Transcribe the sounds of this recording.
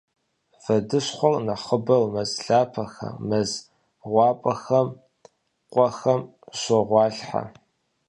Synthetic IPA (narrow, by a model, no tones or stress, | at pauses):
vɐdɨɕχʷɔrnɐχəbɐwmɐzɬaːpʰɐxɐ̰mɐz | ʁʷɑːpʼɐxɐm | qʷʼɔxɐm | ɕʷɔʁʷɑːɬħa̰